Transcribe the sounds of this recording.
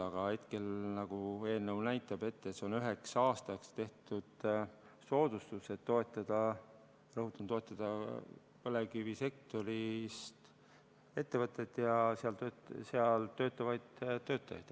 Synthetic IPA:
ɑɡ̥ɑhe̞t̪ke̞lnɑɡ̥ue̞ːnəwnæjt̪ːˑɑb̥e̞t̪ːet̪seo̞nyɦe̞ksɑːst̪ɑkst̪e̞ht̪ud̪̥ | so̞ːd̪̥ust̪use̞t̪ːo̞et̪ːˑɑd̪̥ɑ | rɤɦut̪ːˑunt̪o̞et̪ˑːɑd̪̥ɑ | pɤlekivise̞k̚t̪o̞ɾist̪ | e̞t̪ːe̞vɤt̪ːˑet̪ːˑjɑseɑlt̪øːseɑlt̪ø̞ːt̪ːˑɑvɑjd̪̥t̪ːø̞ːt̪ːˑɑjɑ̰jt̪

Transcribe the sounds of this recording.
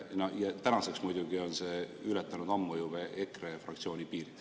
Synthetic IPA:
nojɑt̪ænɑse̞ksmujd̪uɡio̞nse̞ylɛt̪ːˑɑnud̪ɑmːujubeʔekrefrɑ̰kt̪sio̞ːnʲipiːɾid̪̥

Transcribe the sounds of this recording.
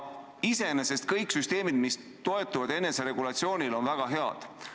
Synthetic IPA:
ise̞nese̞st̪kɤjksyst̪e̞ːmid̪̥mis | t̪o̞e̞t̪ːˑuvɑd̪e̞nːe̞seɾe̞ɡ̥ulɑt̪sio̞ːnʲilo̞nvæɡ̥ɑɦe̞ɑ̰d̪̥

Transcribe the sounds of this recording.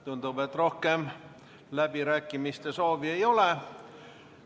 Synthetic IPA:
t̪unt̪uʋet̪rohkeˑm | læpirækːimist̪esoːʋieiole

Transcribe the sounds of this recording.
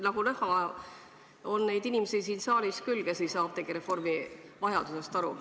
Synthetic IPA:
nɑɡ̥ulɤhɑ | o̞nːe̞jd̪inʲimesisiːnsɑːlʲiskylɡ̥esejsɑːb̥t̪e̞ɡ̥iɾe̞fo̞rmivɑjɑd̪̥use̞st̪ɑɾṵ

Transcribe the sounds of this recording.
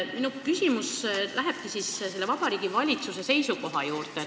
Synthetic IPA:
minukysʲimuslæɦeb̥̚kisisse̞lːevɑbɑɾiːɡ̥ivɑlʲit̪suse̞se̞jsuko̞ɦɑjuːrt̪e

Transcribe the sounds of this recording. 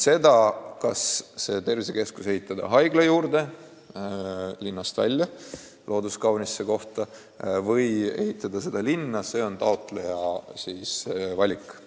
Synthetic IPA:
se̞d̪̥ɑkɑsːe̞ːt̪e̞rviseke̞skuse̞ɦit̪ːˑɑd̪ɑ̰ɦɑjɡ̥lɑjuːɾd̪̥e̞ | linːɑst̪væ̰lʲjɑ | lʔo̞ːd̪uskɑwnisːe̞ko̞ht̪ɑ | vɤje̞ɦit̪ːˑɑd̪̥ɑse̞d̪̥ɑlinːɑse̞ːo̞nt̪ɑot̪ˑle̞jɑsiːsvɑlʲikˑː

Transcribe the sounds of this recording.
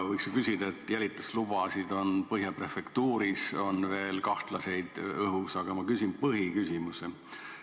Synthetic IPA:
vɤjksukysʲid̪̥ɑet̪ːˑjælʲit̪ːˑɑslub̥ɑsid̪o̞npɤɦjɑpre̞fekt̪uːɾiso̞nve̞ːlkɑht̪lɑse̞jd̪̥ɤɦusɑɡ̥ɑmɑkysinpɤɦikysʲimuse

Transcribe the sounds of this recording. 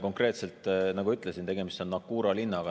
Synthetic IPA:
ko̞ŋkre̞ːt̪se̞lt̪ˑnɑɡuyt̪ˑlesint̪e̞ɡe̞mist̪o̞nːɑkːuːɾɑlinːɑɡ̥ɑ

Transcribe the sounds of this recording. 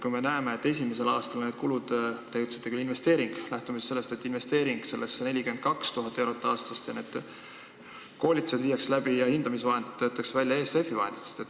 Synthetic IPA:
kujme̞næeme̞et̪ːˑe̞s̬ʲimese̞lɑːst̪ɑlne̞ːd̪̥̚kulud̪̥t̪æjut̪si̥t̪ːˑekylːinve̞st̪e̞ːɾiŋɡ̥læht̪umisselːest̪e̞t̪ːˑinve̞st̪e̞ːɾiŋɡ̥se̞lːesene̞lʲike̞nd̪̥kɑkst̪uɦɑt̪ːˑewɾo̞t̪ːˑɑːst̪ɑst̪jɑne̞ːd̪̥ | ko̞ːlʲit̪use̞d̪viːjɑkslæb̥ijɑhind̪̥ɑmis̬vɑɦend̪t̪ːøːt̪ːˑɑksevælʲjɑe̞ːste̞fːivɑɦed̪it̪ːe̥st̪et̪ːˑ

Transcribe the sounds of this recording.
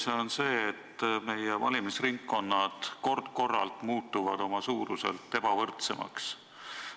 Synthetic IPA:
seonse̞ːet̪ːme̞jevɑ̰lʲimisriŋkːo̞nːɑd̪̥ko̞rd̪̥̚ko̞rːɑ̰lt̪muːt̪ːˑuvɑd̪̥o̞mɑsuːɾuse̞̰lt̪ːe̞b̥ɑvɤrt̪se̞mɑ̰ks

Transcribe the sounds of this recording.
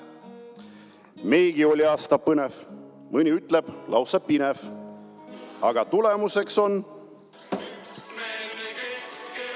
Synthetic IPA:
me̞jɡ̥io̞lʲiɑːst̪ɑpɤnev | mɨnʲiyt̪ˑle̞b̥lɑ̰wsɑpinef | ɑɡ̥ɑt̪ule̞muse̞kso̞n

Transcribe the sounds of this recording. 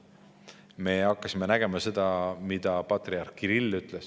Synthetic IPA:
me̞ɑkːɑsimenæɡ̥e̞mɑse̞d̪̥ɑmid̪̥ɑpɑt̪riɑrkːiɾilːyt̪les

